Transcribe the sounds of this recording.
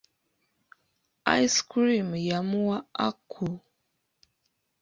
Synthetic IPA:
a̰jskɾimjamuwaa̰kʰːu

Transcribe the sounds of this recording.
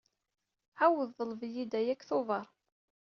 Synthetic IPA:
ʕawəðːˤəlvjid̪æjækːθʊvɑɾˤ

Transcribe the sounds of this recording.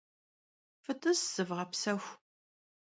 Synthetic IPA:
fɨtʰʼɨsːɨvʁɐpsɐxʷ

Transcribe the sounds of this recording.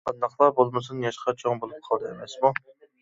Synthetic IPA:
qʰɑnd̪ɑqlˠɑbolˠmɨsunjɑʃqʰɑt͡ʃʰoŋbolˠup̚qʰɑlˠd̪ɨemɛsmu

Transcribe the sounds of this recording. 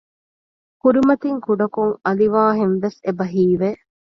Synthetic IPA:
kuɾimɐt̪iŋkuɖɐkuŋɐliʋaːɦenʋesebɐɦiːʋe

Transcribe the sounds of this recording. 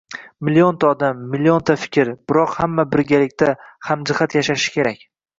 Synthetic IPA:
mɪlijont̪ʰaɒd̪amːɪliont̪ʰafɪ̥kʲɪɾb̥ɪɾɒqhamːabɪɾɡʲalɪkʲt̪ʰahamd͡ʒɪhat̪jaʃaʃɪ̥kʲʰe̞ɾakʲ

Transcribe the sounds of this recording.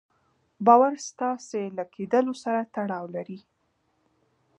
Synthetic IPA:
bɑwaɾst̪ɑselakʰed̪əlosaɾat̪aɽɑwlaɾi

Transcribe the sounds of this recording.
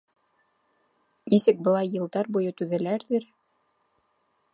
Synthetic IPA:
nisɘk̚bɤ̆lˠɑjːɤ̆lˠd̪ɑɾbujɤt̪ʉðælæɾðɘɾ

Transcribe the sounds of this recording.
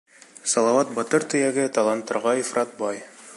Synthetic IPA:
sɑlˠɑwɑt̪̚bɒt̪ɤɾt̪ɵ̆jæɡɘt̪ɑlˠɑnt̪ːɤ̆ɾʁɑifrɑt̪̚bɑj

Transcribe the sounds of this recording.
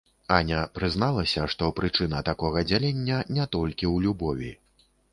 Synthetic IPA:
anʲɐpɾɨznalˠɐsʲɐʂt̪ɔpɾɨt͡ʂɨn̪ɐt̪akɔɣɐd͡zʲalʲenʲːɐnʲɛt̪ɔlʲkʲiwlʲubɔvʲḭ

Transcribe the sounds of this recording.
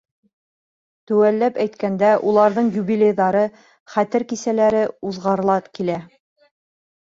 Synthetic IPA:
t̪ɵwælːæpæjt̪kænd̪æʔulˠɑɾðɤɴjubilʲejðɑɾɤ | χæt̪ɘɾkisælæɾɘuðʁɑɾɤ̆lˠɑtkilæ

